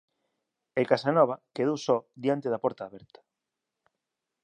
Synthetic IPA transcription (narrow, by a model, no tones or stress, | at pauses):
ekasanɔβ̞ɐkeðowsɔd̪jant̪eðɐpɔɾt̪aːβɛɾt̪ɐ̥